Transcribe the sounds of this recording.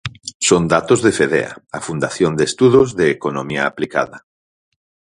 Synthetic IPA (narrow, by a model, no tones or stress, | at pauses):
sond̪at̪ozðefeðɛ̰a̰afund̪aθjond̪est̪uðozðeːkonomiaːplika̰ðɐ